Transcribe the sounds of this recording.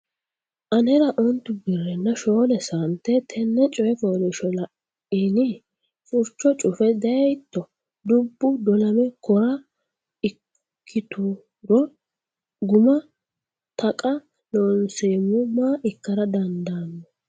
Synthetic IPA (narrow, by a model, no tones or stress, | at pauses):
ʔɐnɛɾɐʔɔnt̪ːʊbɪrːɛnːɐʃoːnɛsɐnt̪ːɛt̪ʰɛnːɛt͡ʃʼɔjɛfoːlɛʃɔlɐʔ | iːnɪ | t͡sʼʊɾt͡ʃːɔt͡ʃʼʊfɛd̪ɐjt̪ːɔ | d̪ʊbːʊd̪ɔlɐmɛkɔɾɐ | ɪ | kʰːɪt̪u | ɾɔ | ɡʊmɐ | t̪ʰɐkʼɐ | noːnseːmʊmaːʔɪkːɐɾɐd̪ɐnd̪anːɔ